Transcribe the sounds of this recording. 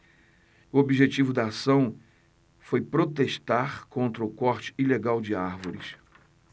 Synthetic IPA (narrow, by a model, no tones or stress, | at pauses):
ʊobiʒet͡ʃivʊd̪ɐːsɐ̃w̃ | fojpɾot̪eʃt̪aχkõnt̪ɾɐʊkɔɾt͡ʃɪ̥ileɡawd͡ʒɪaɾvoɾɪs